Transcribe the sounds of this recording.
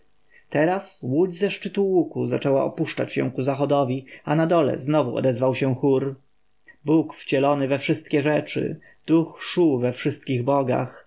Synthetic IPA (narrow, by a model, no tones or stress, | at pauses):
t̪ɛɾaswud͡ʑzɛʂt͡ʂɘt̪uwukuzat͡ʂɛwa̰ɔpuʂt͡ʂat͡ɕɕɛ̰̃kuzaxɔd̪ɔvʲianad̪ɔlɛ̰znɔvuɔ̰d̪ɛzvawɕɛ̃xuɾ | bukft͡ɕɛlɔnɘvɛfʂɘst̪̚kʲɛʐɛt͡ʂɘ̰ | d̪̥uxʂuvɛfʂɘst̪̚kʲiɣbɔɡa̰x